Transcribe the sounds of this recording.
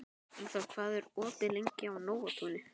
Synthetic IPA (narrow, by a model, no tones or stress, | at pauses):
ɛnsakʰvaðɛɾɔːt̪ɪlejɲcɪawnoːwat̪ʰunɪ